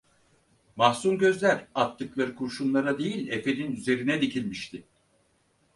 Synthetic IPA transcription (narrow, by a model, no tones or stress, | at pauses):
mahsumɟø̞zlʲæɾat̪ːɯklˠaɾɯkʰuɾʃunˠlˠaɾad̪e̞jilʲefe̞ninyze̞ɾinɛd̪icʰilʲmiʃt̪ʰɪ